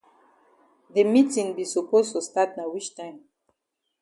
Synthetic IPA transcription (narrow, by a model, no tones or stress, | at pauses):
ðemitĩŋbisupostustat̚nawit͡ʃtãɪ̃m